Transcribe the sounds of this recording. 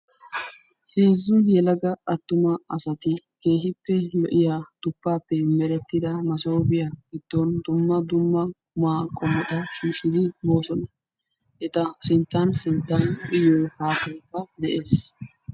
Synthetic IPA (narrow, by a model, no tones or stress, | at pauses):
heːzːʊjɛlɐɡɐɐt̪ːʊmɐɐsɐt̪ɪke̞ːɦɪpːɛlɔ̰ʔɪjaːd̪̥ʊpːaːpːɛmɛɾɛt̪ːɪd̪ɐmɐso̞ːbɪjaɡɪd̪̥ːɔnd̪ʊmːɐd̪ʊmːɐ | ʊmaːkʼɔmɔᶑ̪ɐʃiːʃɪd̪ɪmo̞ːsɔnɐ | ʔɛt̪ɐsɪnt̪ːansɪnt̪ːɐnʔɪjoːhaːkɔjkːɐd̪ɛʔe̞ːs